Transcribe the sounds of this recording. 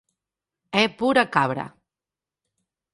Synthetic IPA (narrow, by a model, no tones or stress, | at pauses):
ɛpuɾakaβɾa̰